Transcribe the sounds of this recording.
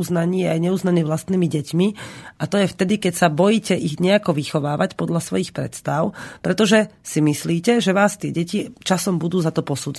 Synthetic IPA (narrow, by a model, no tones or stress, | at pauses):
uznaɲiːɛajɲɛuznaɲɛvʋlast̪niːmiɟɛcmiʔat̪ɔjɛft̪ɛd̪ikɛcsabɔjiːcɛʔiɣɲɛakɔʋixɔʋaːʋacpɔd̪ʎasʋɔ̰jixpɾɛ̰t̪st̪aʊpɾɛt̪ɔʒɛsimisliːcɛʒɛʋaːst̪ɪɛɟɛcit͡ʃasɔmbud̪uːzat̪ɔpɔsuːd͡z